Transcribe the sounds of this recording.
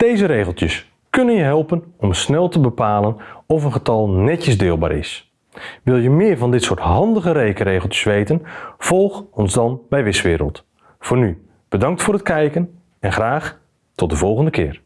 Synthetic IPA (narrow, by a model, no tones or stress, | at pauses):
d̥ejzəɾejɣəlˠtjəs | kɵnənjəɦɛlˠpənɔmsnɛlˠtəbəpaːlənɔfənətɑlˠnɛtəzdɪːlˠba̰ːɾɪ̰s | ʋɪlˠjəmɪːɹvɑndɪtsʊːtɦɑndəɣəɾejkərejχəl̩ˠtjə̥sʋejtənv̥ɔlˠχɔnzdɑnbɛjʋɪsʋɪːɾə̰lˠt | fʊːny | b̥ədɑŋk̚tfʊːrətkɛjkən | ɛnχraːχ | tɔt̚dəvɔlˠχəndəkɪːr